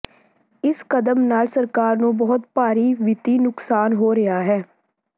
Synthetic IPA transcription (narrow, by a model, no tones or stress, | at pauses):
ɪskəd̪əmnaːlsəɾkaːɾnũːbɔɦʊt̪paːɾiːʋɪt̪iːnʊksaːnɦoːɾɪaːɦɛː